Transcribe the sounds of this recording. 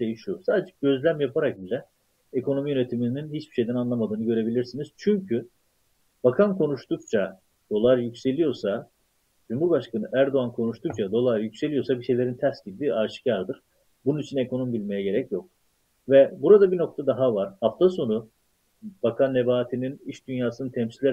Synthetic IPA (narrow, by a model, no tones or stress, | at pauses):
ʃejiʃusaːd̪ed͡ʒɛɟ̥ø̞zlʲæmjapʰaɾak̚bizʲɛ | ekʰo̞no̞mijø̞ne̞t̪ʰimininɦit͡ʃbi̥ʃe̞jd̪ænanlˠamad̪ɯːnɯɟø̞ɾe̞bilʲiɾsiniz̥t͡ʃʰyɲcʰy | b̥akʰankʰo̞nuʃt̪ukt͡ʃʰa | d̪̥o̞lˠaɾjycse̞lʲijo̞ɾsa | d͡ʒumhuɾbaʃkʰanɯʔæɾd̪o̞ankʰo̞nuʃt̪ʰuk̚t͡ʃʰad̪o̞lˠaɾjycʲse̞lʲijo̞ɾsabiʃe̞jlʲeɾint̪ʰæɾsɟibd̪iaɾʃɯ̥caɾd̪ɯɾ̥ | bununit͡ʃʰine̞kʰo̞no̞mbilʲme̞jɛɟe̞ɾɛcjo̞k̚ | vɛbuɾad̪abino̞k̚t̪ʰad̪aɦavaɾ̥haft̪ʰaso̞nu | b̥akʰanːebaːt̪ʰininiʃd̪ynjaːsɯnɯnt̪ʰɛmsislʲæ